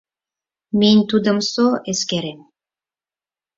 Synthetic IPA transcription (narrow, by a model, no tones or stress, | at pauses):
menʲt̪ud̪ə̆msoʔeskeɾem